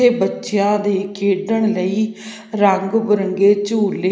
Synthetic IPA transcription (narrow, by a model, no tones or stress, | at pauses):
eːbətːʃjãːd̪eːkeːɖəɳ̃ləiː | ɾəŋɡbəɾəŋɡeːt͡ʃuːle